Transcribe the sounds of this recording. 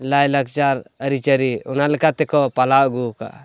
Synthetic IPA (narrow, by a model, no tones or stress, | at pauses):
lajlək̚t͡ʃaɾəɾit͡ʃəɾiunaləkat̪ekʰɔpalaɡuka̰